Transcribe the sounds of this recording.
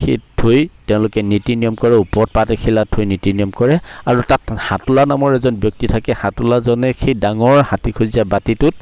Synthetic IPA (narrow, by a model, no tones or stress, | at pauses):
xejtʰojtɛʊ̃lʊkɛnitinijɔmkɔɹɛupɔt̚patexʰilatʰojnitinijɔmkɔɹɛaɹutathatʊlanamɔɹɛzɔnbjɔk̚titʰakɛhatulazɔnɛxejdaŋɔɹhatikʰuziabatitʊt̚